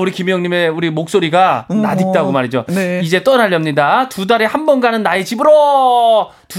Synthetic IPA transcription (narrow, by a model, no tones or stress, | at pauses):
uɾikimjʌŋɲime̞uɾimok̚s͈oɾiɡanadit͈aɡomaɾed͡ʑoeid͡ʑe̞t͈ʌnaʎːʌmɲidatudaɾehanbʌnɡanɯnːaet͡ɕibɯɾo | tu